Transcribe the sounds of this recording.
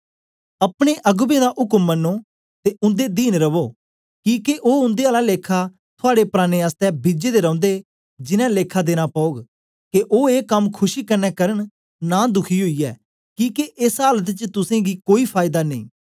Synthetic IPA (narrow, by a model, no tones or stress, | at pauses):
əpɽ̃eʔɐɡbẽːd̪aʔʊkəmːənːoː | t̪eʊ̃nd̪ed̪iːnɾəʋoː | kĩːkeʔoːʊ̃nd̪eːaːlaleːkʰa | t̪ʰʊaːɽepɾaːñeːaːst̪ɛbɪd͡ʒeːd̪eːɾɔ̃ʊ̃nd̪e | d͡ʒɪnɛ̃leːkʰad̪eːñapɔːoːɡ | keʔoːeːkəmkʰʊʃiːkəɾnɛkəɾəɳ̃ | naːd̪ʊkʰiɦoiːɛː | kĩːkeʔɪsɦaːlət̪t͡ʃt̪ʊsẽɡiːkoːipʰaːɪd̪aːnḭ̃ː